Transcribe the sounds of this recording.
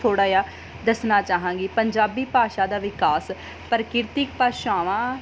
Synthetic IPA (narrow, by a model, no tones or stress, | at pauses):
t̪ʰoːɽaːjaː | d̪əsnaːt͡ʃaːɦãːɡiːpəɲd͡ʒaːbiːpaːʃaːd̪aːʋɪkaːs | pəɾkɪɾt̪ɪkpaːʃaːʋãː